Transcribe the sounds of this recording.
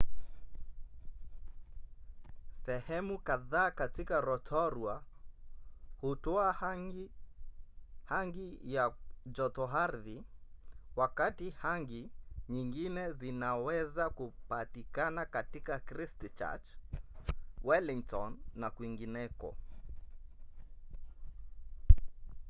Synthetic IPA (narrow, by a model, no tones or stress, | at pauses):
sɛhɛmukaðaːkatikaɾɔtʰɔɾwa | hutɔa | haŋɡijad͡ʒɔtɔɦaɾði | wakatihaŋɡiɲiŋɡinɛzinawɛzakupatikanakatikakɾistt͡ʃa̰t͡ʃ | wɛliŋtɔnːakwiŋɡinɛkɔ̰